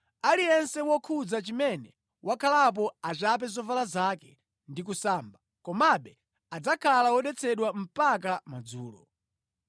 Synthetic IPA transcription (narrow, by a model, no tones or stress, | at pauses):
alijɛnsɛwɔkʰud͡zat͡ʃimɛnɛ | wʔakʰalap̬ɔat͡ʃap̬ɛzɔvalazakɛ̥ | ndik̬usaːmba | kɔmaɓɛ | ad͡zakʰalawɔɗɛt͡sʰɛɗwam̩pak̬amad͡zuːlɔ̰